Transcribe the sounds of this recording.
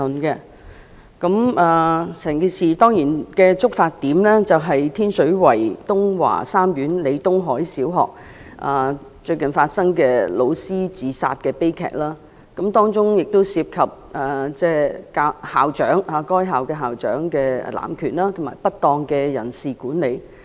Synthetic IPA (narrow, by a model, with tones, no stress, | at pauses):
nkɛ˧ | kɐ˨˥maː˨˧sɛː˨˩ŋkiː˧siː˨t̪ɔː˥ŋjiː˨˩nkɛː˧t͡sʊ˥k̚faː˧t̚t̪ːiː˨˥mlɛː˥t͡sɐ˨wɦɐ˨jt̪ʰiː˥nsɵ˨˥ɥwɐ˨˩jt̪ʊ˥ŋwa̰ː˨˩saː˥mjyː˨˥nle˨˧t̪ʊ˥ŋɦɔː˨˥jsiː˨˥wɦɔ̰ː˨k̚ | ʔa̰ː˨˧ | t͡ʃɵ˧ɥkɐ˨˩nfaː˧t̚sɐ˥ŋkɛː˧lo˨˧wsiː˥t͡siː˨˧sa̰ː˧t̚kɛː˧pe˥jkʰɛ̰ː˨k̚laː˥ | kɐ˨˦˥mt̪ɔː˥ŋt͡sʊ˥ŋjɪ˨k̚t̪o˥wsiː˧p̚kʰɐ˨p̚ɛː˨˩t͡sɛː˥kaː˧haː˨wt͡ʃœː˨˥ŋaː˨˧kɔː˥jɦaː˨wkɛː˧ɦaː˨˩wt͡ʃœ̰ː˨˥ŋkɛ̰ː˧˨˩la̰ː˨˩mkʰyː˨˩nlaː˥t̪ʰʊ˨˩maː˨˩jpɐ˥t̚t̪ɔː˧ŋkɛː˧jɐ˨˩nsiː˨kuː˨˥nle˨˧j